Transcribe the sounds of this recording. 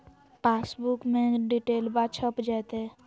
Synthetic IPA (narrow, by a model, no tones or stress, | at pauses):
paːsbukmẽɖiʈeːlbat͡ʃʰəpd͡ʒɛːt̪ɦɛː